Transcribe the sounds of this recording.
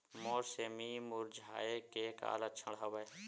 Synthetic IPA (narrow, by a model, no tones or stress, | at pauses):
mɔːɾsemimʊɾd͡ʒʱa̰ːekeːka̰ːlət͡ʃʰəɽɦəʋəj